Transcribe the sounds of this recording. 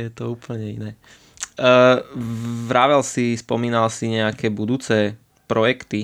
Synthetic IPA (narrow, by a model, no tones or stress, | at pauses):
jɛt̪ɔuːpl̩ɲɛḭnɛː | vɾaʋɛlsispɔmiːnalsiɲɛakɛːbud̪uːt͡sɛː | pɾɔjɛkt̪i